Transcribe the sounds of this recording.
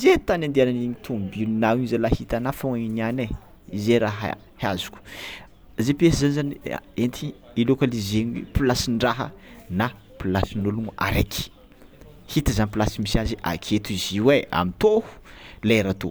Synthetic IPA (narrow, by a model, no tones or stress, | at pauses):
izet̪anand̪eananiɲit̪ʰumbilinawiɲizalahit̪anafoiniane | izeɾaɦ | hazu̥kʲu̥ | zepiesəzanizanḭent̪i | ilokalizeɲwḛpilasiɳɖ͡ʐaɦə̰na | pilasinuluŋua̰ɾḛkʰi̥ | hit̪əzanipilasimisaziʔa̰kʰet̪uiziwea̰mit̪ohu̥leɾat̪o̰